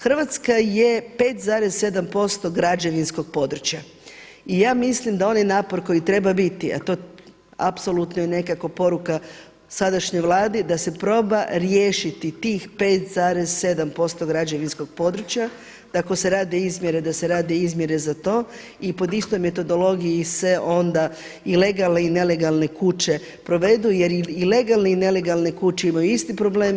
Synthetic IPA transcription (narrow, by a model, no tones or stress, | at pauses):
xr̩ʋat̪skajepe̞ːt̪zaːɾezse̞d̪ampo̞st̪o̞ɡɾad͡ʒeʋinsko̞ɡ̥̚po̞d̪ɾut͡ɕja | ijaːmislimd̪ao̞najnaːpo̞ɾko̞jit̪ɾe̞babit̪ia̰t̪o̞ | a̰pso̞lˠut̪nojene̞kako̞po̞ɾuka | sad̪aʃɲojʋlˠaːd̪id̪ase̞pɾo̞ːbaɾjeːʃit̪it̪iːxpe̞ːt̪zaːɾezse̞d̪ampo̞st̪o̞ɡɾad͡ʒeʋinsko̞ɡ̥̚po̞d̪ɾut͡ɕja | d̪̥akose̞ɾaːd̪eizmʲjeɾe̞d̪ase̞ɾaːd̪eizmʲje̞ɾe̞zat̪o̞ː | ipo̞d̪ist̪o̞jme̞t̪o̞d̪o̞lo̞ɡijise̞ʔo̞nd̪a | ile̞ɡalˠneine̞le̞ɡalˠne̞kut͡ʃe̞ | pɾo̞ʋe̞d̪uje̞ɾiile̞ɡalˠneine̞le̞ɡalˠne̞kut͡ʃeimajuist̪ipɾo̞ble̞ːm